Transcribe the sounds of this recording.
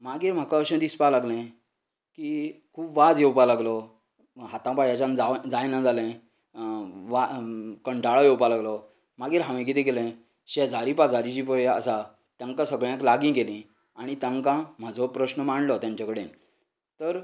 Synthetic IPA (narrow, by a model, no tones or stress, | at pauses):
maɡiːɾm̤akãəɕə̃d̪ispalaɡlɛ̃ | kikʰuːpʋad͡zjewpalaɡlɔ | ɦat̪ãpajat͡ɕãnd͡zad͡zajnãd͡zalɛ̃ | ʋakəɳɖʱaɭɔjewpalaɡlɔ | maɡiːɾɦãʋẽkit̪ẽkelɛ̃ | ɕɛd͡zʱaɾipad͡zʱaɾit͡ɕipəeə̰sa | t̪jãŋkãsəɡɭjãklaɡĩɡelĩ | aɽ̃it̪jãŋkãm̤ad͡zʱɔpɾəɕnəmaɳlɔt̪jãɲt͡ɕakəɽen | t̪əɾ